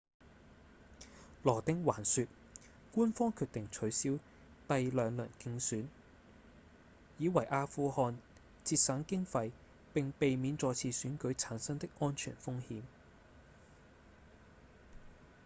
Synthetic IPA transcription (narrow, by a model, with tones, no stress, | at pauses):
lɔː˨˩t̪ɪ˥ŋwaː˨˩nsyː˨˧t̚ | kuː˥nfɔː˥ŋkʰyː˧k̚t̪ɪ˨ŋt͡ʃʰɵ˨˥ɥsiː˥w | t̪ɐ˨jlœː˨˧ŋlɵ̰˨˩nkɪ˧ŋsyː˨˥n | jiː˨˧wɐ˨˩jʔaː˧fuː˧hɔː˧n | t͡siː˧t̚sɐ˨˥ŋkɪ˥ŋfɐ˧j | pɪ˨ŋpe˨jmiː˨˧˥nt͡sɔː˧t͡sʰiː˧syː˨˥nkɵ˨˥ɥt͡sʰaː˨˥nsɐ˥ŋt̪ɪ˥k̚ʔɔː˥nt͡ʃʰy̰ː˨˩nfʊ˥ŋhiː˨˥m